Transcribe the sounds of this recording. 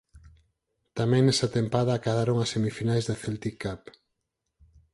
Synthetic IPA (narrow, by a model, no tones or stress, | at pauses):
t̪amẽŋnesat̪empaðaːkaðaɾoŋɐsːemifinajzðeθelt̪ikːap